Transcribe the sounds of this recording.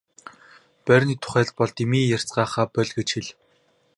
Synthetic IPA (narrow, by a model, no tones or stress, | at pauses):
pœrʲniːt̪ʰʊ̥χæːɮt̪̚pɔɮt̪imiːjær̥t͡sɢaːχaːpœɮʲɡĕt͡ɕxiɮ